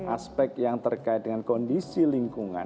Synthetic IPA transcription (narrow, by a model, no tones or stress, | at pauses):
ʔaspɛk̚k̪jaŋt̪ərkait̪̚dəŋankɔndisiliŋkuŋa̰n